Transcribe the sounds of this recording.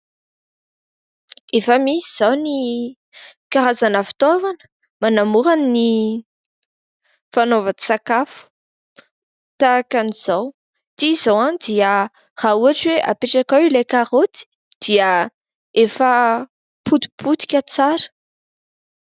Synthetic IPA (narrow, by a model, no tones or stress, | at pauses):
efəmisiz̥awni | kaɾazanəfi̥t̪ovanə̥ | manamuɾanini | fanovai̥sakafu̥ | t̪akaniz̥aw | t̪izawand̪iə | r̥auaʈ͡ʂweʔa̰peʈ͡ʂakawilejkaɾot̪i̥ | d̪̥iə | efə | pud̪i̥pʰut̪i̥kʲət͡saɾə̥